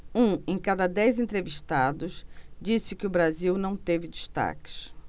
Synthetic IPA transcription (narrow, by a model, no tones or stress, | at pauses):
ũẽj̃kad̪ɐd̪ɛjzẽnt̪ɾeviʃt̪ad̪ʊsd͡ʒisɪkɪʊbɾaziwnɐ̃w̃t̪evɪd͡ʒiʃt̪a̰kɪ̥s